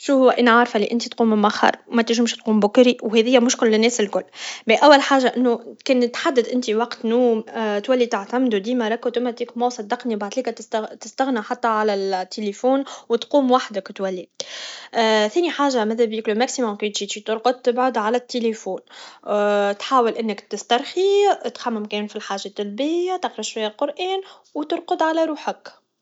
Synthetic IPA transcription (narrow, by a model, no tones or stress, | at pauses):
ʃuhʊwʔɪnʕaɾˤfæliʔɪnt̪it̪quːmɪmaxɑ̰ɾˤwmɛt̪ɪʒɪmʃt̪̚quːmbʊkɾiwhɛðɪjːæmʊʃkɪlːɪnːɛːsɪlkʊlːbiʔæwːælħaːʒaʔɪnːukɛːnt̪ħad̪ːəd̪ʔɪnt̪iwɑqt̪nuːmt̪wælːit̪aʕt̪æmd̪ud̪iːmæɾˤɑkːot̪umæt̪iːkmowsˤɑd̪ːɑqnibaʕd̪liːkæt̪t̪t̪ɪst̪æɣnaħat̪ːæʕalæt̪ːelefuːnwt̪quːmwaħd̪əkt̪wælːi | θɛːniħaːʒamæðæbjiklumæksimʊmkit̪ʒiːt̪ʒit̪ʊɾˤqʊd̪̚t̪ːɪbʕʊd̪ʕalæt̪ːelefuːn | t̪ħaːwəlʔɪnːɪkt̪ɪst̪ɑɾˤxit̪xamːɪmkɛːnfilħaːʒːat̪ːælbɪjːat̪ɑqɾɑʃwæjːalqʊɾʔɛːn | wt̪ʊɾqʊd̪ʕalæɾuːħək